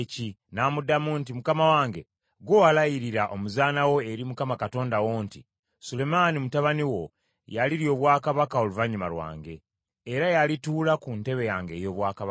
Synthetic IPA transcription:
ci | namudamuːntimukamawaːŋɡe̞ | ɡwowalajiɾiɾaʔo̞muzaːnawo̞e̞ɾimukamakato̞ːndawoːnti | sule̞manimutaβaniwo̞ | jaliɾjo̞βwaːkaβakao̞luvaɲuma̰lwa̰ːŋɡe̞ː | ɾajalituːlakunte̞βe̞jaːŋɡe̞ːjo̞ːβwaːkaβ

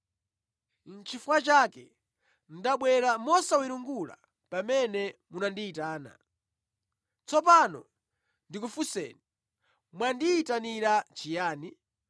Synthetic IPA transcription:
nt͡ʃʰifuwat͡ʃakɛ | ndaɓwɛɾamɔsawiɾuŋɡula̰ | pamɛnɛmunandiːtaːna̰ | t͡sɔp̬anɔ̰ | ndik̬ufusɛ̰ːni | mwandiːtaniɾat͡ʃijaːni

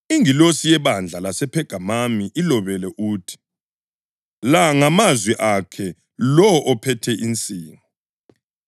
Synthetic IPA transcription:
iŋilosijɛβand͡ɮʱalasɛpʰɛɡ̥ʱamamiʔilɔβɛlɛʔuːtʰi̥ | laŋamazwiʔakʰɛ | lɔʔɔpʰɛtʰɛʔint͡sʼiːŋɔ

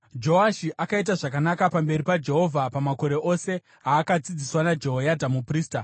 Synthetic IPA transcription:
d͡ʒo̞aʃiʔakait̬aʐakanakapambe̞ɾipad͡ʒe̞ɦo̞vʱapamako̞ɾe̞ʔo̞se̞ | aːkad͡zid͡ziswanad͡ʒe̞ɦojadʱamupriːsta

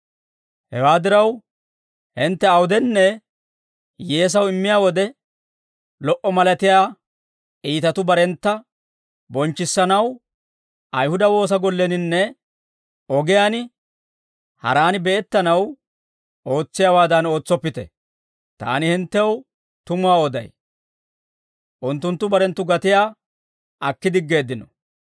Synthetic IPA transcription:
hɛ̰waːd̪ɪɾɐw | hɪnt̪ːɛɐwʊd̪ɛnːɛ | jeːs̬ɐwɪmːɪjaːwɔd̪ɛ | lɔʔɔmɐlɐt̪ɪjaː | iːt̪ɐt̪ʊbɐɾɛnt̪ːɐ | bɔnt͡ʃːɪsːɐnɐw | ʔɐjhʊd̪ɐwo̞ːs̬ɐɡɔlːɛnɪnːɛ | ɔɡɪjaːnɪ | hɐ̰ɾaːnɪbɛʔɛt̪ːɐnɐw | ʔo̞ːt͡sːɪjaːwaːd̪ɐno̞ːt͡sːɔpːɪt̪ɛ̰ | t̪a̰ːnɪhɪnt̪ːɛw | t̪ʊmʊwaːɔd̪ɐ̰j | ʔʊnt̪ːʊnt̪ːʊbɐɾɛnt̪ːʊɡɐt̪ɪjaː | ʔɐkːɪd̪ɪɡːe̞ːd̪ːɪnɔ

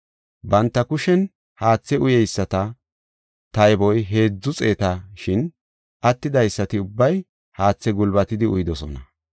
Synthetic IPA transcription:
bɐnt̪ːɐkʊʃɛn | haːt͡sːɛʊjɛjsːɐt̪ɐ | t̪ɐjbɔjɦe̞ːd͡zːʊt͡sʼeːt̪ɐʃɪn | ʔɐt̪ːɪd̪ɐjsːɐt̪ɪʊbːɐj | haːt͡sːɛɡʊlbɐt̪ɪd̪ɪʊjd̪ɔsɔ̰nɐ̰

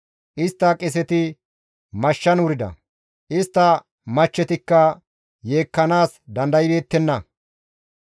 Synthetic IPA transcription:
ʔɪst̪ːɐkʼɪs̬ɛt̪ɪ | mɐʃːɐnʊɾɪd̪ɐ̰ | ʔɪst̪ːɐ | mɐt͡ʃːɛt̪ɪkːɐ | je̞ːkːɐnaːs | d̪ɐnd̪ɐjɪbe̞ːt̪ːɛnːɐ

